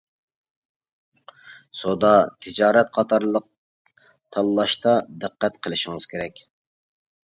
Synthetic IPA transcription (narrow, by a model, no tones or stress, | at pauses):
sod̪ɑt̪ʰɪd͡ʒɑːɾɛt̪̚qʰɑt̪ʰɑɾlˠəq̚ | t̪ʰɑlˠːɑʃt̪ʰɑd̪ɨqːæt̪qʰəlˠɪʃiŋɨz̥kʲʰeɾɛkʲ